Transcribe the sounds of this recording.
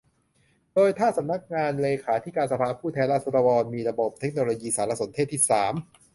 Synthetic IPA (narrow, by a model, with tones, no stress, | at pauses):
doː˧jt̪ʰaː˥˩sa˩˦mna˦˥k̚ŋaː˧nleː˧kʰaː˩˦t̪ʰiː˦˥˩kaː˧nsa˧pʰaː˧pʰuː˥˩t̪ʰɛː˧nlaː˥˩sʰo˧ɾa˧wɔː˧nmiː˧ɾa˧bo˨˩p̚t̪ʰe˦˥k̚noː˧loː˧jiː˧saː˩˦la˧so˩˦nt̪ʰe˥˩t̪ʰːiː˥˩saː˩˦m